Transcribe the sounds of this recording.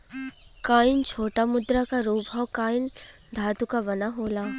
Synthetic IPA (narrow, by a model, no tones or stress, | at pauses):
kaːɪnt͡ʃʰoːʈamʊd̪ɾakaɾuːbʱawkaːɪn | d̪ʱaːd̪ukaʋɐnaɦoːlaː